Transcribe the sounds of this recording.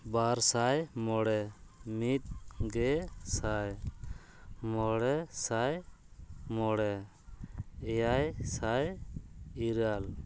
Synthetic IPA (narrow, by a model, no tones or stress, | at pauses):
baɾsajmɔɽɛmit̪̚ɡɛsaj | mɔɽɛsaj | mɔɽɛ | ɛjajsaj | iɾal